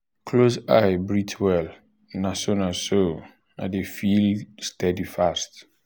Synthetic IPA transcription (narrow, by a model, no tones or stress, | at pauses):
kʰlosa̰jbɹitʰwɛl | nasonaso | na̰defilstɛdifast